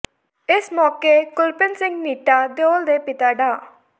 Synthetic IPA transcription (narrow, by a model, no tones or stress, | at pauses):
ɪsmɔːkeːkʊlpənsɪ̃ŋɡniːʈaːd̪oːld̪eːpɪt̪aːɖaː